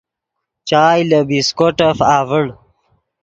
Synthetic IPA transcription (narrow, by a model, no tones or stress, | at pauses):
t͡ɕaːjləbiskoʈəfaːvəɽ